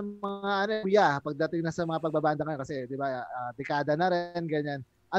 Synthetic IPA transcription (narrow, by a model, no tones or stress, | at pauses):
ɐɐŋaʔɐnobɪjapɐɡ̚d̪ɐt̪ɪŋnɐsɐmɐŋapɐɡ̚baband̪ɐŋɐokɐsɛd̪ɪbaaːd̪ɪkaːd̪ɐnɐɾɛnɡɐɲan | ʔɐ